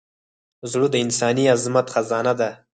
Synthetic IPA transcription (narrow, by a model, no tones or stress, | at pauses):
zɽud̪əɪnsɑniazmat̪xazɑnad̪a